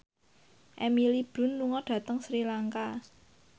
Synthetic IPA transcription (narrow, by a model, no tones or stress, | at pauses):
ʔɛmilib̥ʊ̤nːuŋɔɖ̥ä̤t̪əŋsɾilaŋka